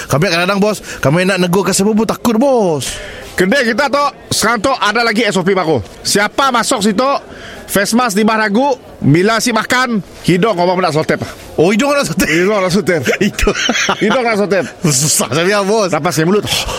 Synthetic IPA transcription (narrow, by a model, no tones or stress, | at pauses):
kabɛʔkanadaŋbɔskamɛnaʔnəɡokasəbubut̪akʊt̪̚bɔskədɛkit̪at̪ɔʔ | səkaŋt̪ɔʔadalaɡiɛsop̬ibaɡo | siapamasɔk̚s̬it̪oʔ | fɛsmas̬dibahnaɡuʔ | milasiʔmakan | hidɔŋobapənaʔs̬ɔt̪ɛpa | oidɔŋnaʔsut̪ɛidɔŋnaʔs̬ut̪ɛridɔhidɔŋnaʔs̬ɔt̪ɛpsusahsabiabɔslapasamulʊt̪ɔ